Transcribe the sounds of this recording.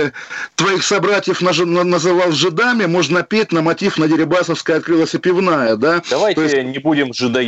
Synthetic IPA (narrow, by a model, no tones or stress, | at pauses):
t̪vɐixsɐbɾatʲɪjəfnnnəzɨvɑlˠʐɨd̪amʲɪmo̞ʐnəpʲet̚ʲnəmɐtʲifnədʲɪɾʲɪbasəfskəjəɐt̪̚kɾɨlˠəsʲɪpʲɪvnajəd̪ad̪ɐvajt̪ojɪsɪsnʲɪbudʲɪmʐɨd̪ɐ